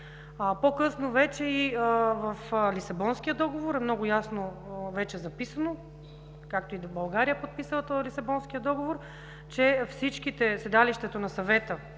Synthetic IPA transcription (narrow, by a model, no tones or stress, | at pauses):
pokɤsnovɛt͡ʃɛiəvɐflisɐbɔnsk̟ijəd̪ɔɡovoɾɛmnɔɡʊjasnovɛt͡ʃɛzɐpisɐno | kakt̪oibɐlˠɡaɾijəpot̪̚pisət̪olisɐbɔnsk̟ijəd̪ɔɡovoɾ | t͡ʃɛfsit͡ʃk̟it̪ɛsɛd̪aliʃt̪ɛt̪onɐsɐvɛt̪ə